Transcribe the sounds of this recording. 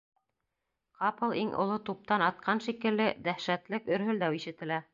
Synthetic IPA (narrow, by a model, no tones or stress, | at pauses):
qɑpɤlˠiŋʔŏ̰lˠot̪up̚t̪ɑnɑt̪̚qʰɑnʃikɘ̆lːɘd̪æʃæt̪lɘkɵ̆ɾɦɵ̆ld̪æwiʃɘ̆t̪ɘ̆læ